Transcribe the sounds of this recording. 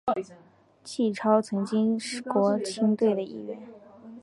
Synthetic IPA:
t͡ɕʰi˥˩ʈ͡ʂʰɑ˥ʊt͡sʰɤ˧˥ŋt͡ɕi˥ŋʂɻ̩˥˩kwɔ˧˥t͡ɕʰi˥ŋt̪we˥˩ɪd̪ə˩ḭ˥˧ɥɛ̰˥˩n

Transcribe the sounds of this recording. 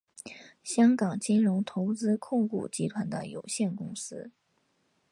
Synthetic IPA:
ɕjɑ˥ŋkɑ˨˩ŋt͡ɕi˥nɻʊ˧˥ŋt̪ʰo˧˥ʊt͡sɹ̩˥kʰʊ˥˧ŋkṵ˥˩t͡ɕi˧˥t̪ʰwa˧˥nd̪ə̰˧jo̰˨˩ʊɕjɛ˥˩nkʊ˥ŋsɹ̩˥

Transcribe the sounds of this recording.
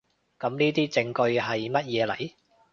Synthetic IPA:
kɐ˨˥mniː˥t̪iː˥t͡sɪ˧ŋkɵ˧ɥɦɐ˨jmɐ˥t̚jɛː˨˧lɐ̰˨˩j

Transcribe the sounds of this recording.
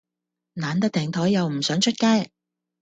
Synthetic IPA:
naː˨˥nt̪ɐ˥k̚t̪ʰɛː˨˩ŋt̪ʰɔ˨˥jːɐ˨wm̩˨˩sœː˨˥ŋt͡ʃʰɵ˥t̚kaː˥j

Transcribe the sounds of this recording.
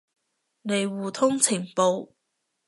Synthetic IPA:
ne˨jwuː˨t̪ʰʊ˥ŋt͡sʰɪ˨˩ŋpo˨˧w

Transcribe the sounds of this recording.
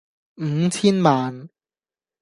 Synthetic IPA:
m̩˨˧˦t͡sʰiː˥nmaː˨n

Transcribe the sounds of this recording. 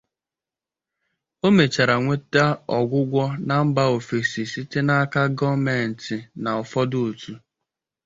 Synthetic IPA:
o˦me˨t͡ʃa˨ɾa˨ŋʷe˦ta˦ɔ˨ɡʷʊ˦ɡʷɔ˦na˨m̩˦ba˦o˨fe˨si˨si˦tɪ˦na˦ka˦ɡɔ˦me˨n̩˨tɪ˨na˨ɔ˨fɔ˦dʊ˦o˨tu˨

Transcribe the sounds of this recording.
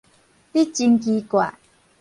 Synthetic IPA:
ti˦t͡ɕi˧ŋki˧kwa̰˨ʔ

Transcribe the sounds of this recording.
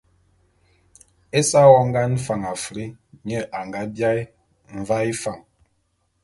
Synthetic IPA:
e˦sa˦wɔ˦ŋ̩˦ɡa˦n̩˦fa˨ŋa˨fɾi˦ɲɛ˦ʔa˨ŋɡa˦bja˦i˦ | ɱ̩˨va˦i˦fa˨ŋ

